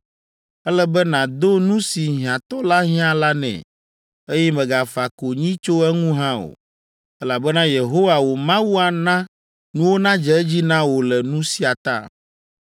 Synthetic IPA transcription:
ɛ˦lɛ˦bɛ˦nã˨d̪o˦nũ˦si˨ɦĩ˨ã˨t̪ɔ˦la˦ɦĩ˦ã˨la˦nɛ̰̃˨ | e˦jɛ˦mɛ̃˨ɡa˨fa˨ko˨ɲĩ˦t͡ʃo˦ɛ˦ŋũ˦ɦã˦o̰˨ | ɛ˦la˨bɛ˦nã˦je˨ɦo˦wa˨wo˨mã˦wu˦a˨nã˦ | nũ˦wo˦nã˦d͡ʒɛ˨ɛ˦d͡ʑi˦nã˦wo˨lɛ˨nũ˦si˦a˨t̪a̰˦˨

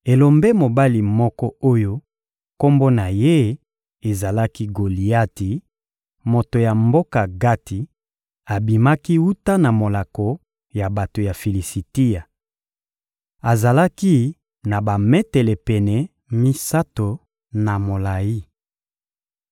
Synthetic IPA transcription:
e˨lo˨mbe˦mo˨ba˦li˨mɔ˦kɔ˦o˦jo˦ | ko˦mbo˦na˨je˦ | e˨za˨la˦ki˦ɡo˨li˨a˦ti˨ | mo˨to˨ja˨mbo˦ka˨ɡa˦ti˨ | a˨bi˨ma˦ki˦wu˦ta˦na˨mo˨la˨kɔ˨ | ja˨ba˨to˨ja˨fi˨li˨si˨ti˦ja˨ | a˨za˨la˦ki˦ | na˨ba˨mɛ˦tɛ˨lɛ˨pɛ˨nɛ˨ | mi˦sa˦to˨ | na˨mo˨la˨ji˦

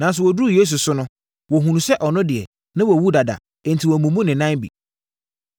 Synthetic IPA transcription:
nã˨n˦s̬ʊ˨wɔ˨du˦˨je˦s̬u˨sʊ˦nʊ̃˦ | wɔ˨ɦũ˨nũ˨sɛ˦ʔɔ˨nʊ̃˦dɪ˨ɛ̰˨ | nã˦wɔ˨wu˦da˨da̰˨ | ɛ̃˨ntʰi˨wɔ˨mũ˨mũ˦nɪ̃˨nã˦nbḭ˨

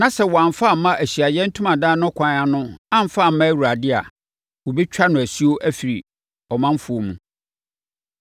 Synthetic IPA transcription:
nã˨sɛ˦˨wɔ˨ã˨ɱfa˦˨m̩˦mã˦ʔæ˨ɕi˨a˨jɛ˦n̩˦tʰũ˦mã˨dãː˦nʊ̃˦kʷʰã˨˦nã˦nʊ̃˦ã˦m̩˨fa˦˨m̩˦mːã˦æ˦˨wu˨ɾa˨dɪ˦a˨ | wo˨bi˦t͡ɕᶣa˦nʊ̃˨æ˨si˦o˦ʔæ˦fi˨ɾi˨ | ɔ˨mã˦m˦fʊ˨o˦mṵ̃˨

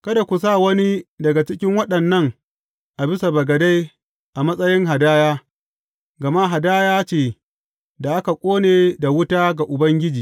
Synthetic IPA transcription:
kɐ˦da˨kʷu˨s̬aː˦˨wɐ˦ni˦dɐ˨ɡa˨t͡ʃɪ˦kʲɪ˦ŋwɐ˦ɗɐ˨nːɐ˦ŋ | ʔa˨bɪ˦sa˨bɐ˨ɡɐ˨da˦j | ʔa˨mɐ˦sʼɐ˦jɪ˦ŋɦa˨daː˦jaː˦ | ɡɐ˨ma˦ɦa˨daː˦jaː˦t͡ʃeː˨ | da˨ʔa˦ka˨kʷʼoː˦neː˨da˨wʊ˦taː˦ɡa˨ʔʊ˨bɐ˦ŋɡʲɪ˦d͡ʒiː˨

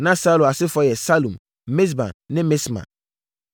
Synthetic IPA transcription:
nã˦sa˦lu˨a˨sɪ˦fɔ˨˦jɛ˨sa˦lũ˨m | me˦s̬bã̰˨nːɪ̃˦me˦smã̰˨

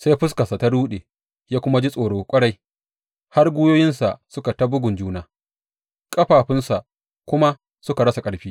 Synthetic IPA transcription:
sa˦jɸʊ˦s̬ka˨sa˨ta˦ɽuː˦ɗeː˨ | jaː˦kʷʊ˦ma˦d͡ʒi˦sʼoː˨ɽoː˨kʷʼɐ˦ɽa˦j | ha˦rɡʷʊ˦joː˦jɪ˦nsa˨ʔsʊ˦ka˨ta˦bʊ˦ɡʊ˨nd͡ʒuː˦naː˨ | kʼɐ˦ɸaː˨ɸɪ˦nsa˨ʔ | kʷʊ˦ma˦ | sʊ˦ka˨ɽɐ˦sa˨kʼɐ˨ɽɸiː˦

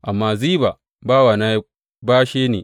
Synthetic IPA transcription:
ʔa˨mːaː˦ziː˦ba˨ | baː˦wa˨naː˦j | baː˦ʃeː˦neː˨

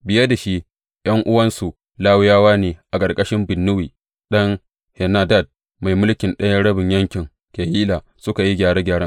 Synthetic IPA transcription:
bɪ˨jɐ˦da˨ʃi˦ | j̰ʔɐ˦ŋʔʊ˦wɐ˦nsu˨ | laː˦wʊ˦jaː˦waː˦neː˨ʔa˨kʼɐ˨rkʼɐ˦ʃɪ˦mbɪ˨nːʊ˦wiː˨ | ɗɐ˦ŋ | hɛ˨naː˦da˦˨d̚ | ma˨jmʊ˦lkʲɪ˨nɗɐ˦jɐ˦ɽɐ˦bɪ˨ɲjɐ˦ŋkʲɪ˨ŋ | kʲe˨jiː˦laː˨ | sʊ˦ka˨ji˦ɡʲaː˨ɽe˦ɡʲaː˨ɽɐ˦

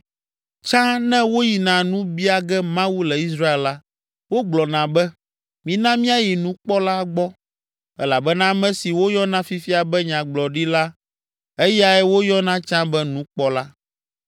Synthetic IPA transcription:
t͡ʃã˦nɛ̃˦wo˦ji˨nã˨nũ˦bi˦a˦ɡɛ˦mã˦wu˦lɛ˨i˦sɾa˦e˨lla˦ | wo˦ɡ͡blɔ˨nã˨bɛ˦ | mĩ˨nã˦mĩ˦a˦ji˨nũ˦k͡pɔ˦la˦ɡ͡bɔ˦ | ɛ̰˦la˨bɛ˦nã˦mɛ̃˦si˨wo˦jɔ˦nã˦fi˦fi˦a˨bɛ˦ɲã˨ɡ͡blɔ˨ɖi˦la˦ | e˦ja˨ɛ˦wo˦jɔ˦nã˦t͡ʃã˦bɛ˦nũ˦k͡pɔ˦la˦

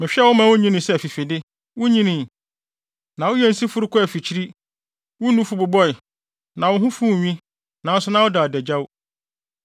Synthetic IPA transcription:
mɪ̃˨ɕᶣɛ˦wʊ˦mã˦wʊ̃˦ɲĩ˦nɪ̃˨sɛ˦˨fi˨fe˨dɪ˦ | wʊ˦ɲĩ˦nĩ˨ | nã˨wʊ˦jɛ˦n̩˦si˦fʊ˦ɾʊ˦kʰʊ˦æ˨fi˨t͡ɕʰi˦ɾi˦ | wʊ˦nũ˦fu˨bʊ˨bɔ˦ɪ˨ | nã˨wʊ˦ɦʊ̃˦fũ˦˨ɲᶣĩ˦ | nã˨˦n˦sʊ˦nã˦wʊ˦da˨dɛ˨d͡ʑa˦wʊ˦

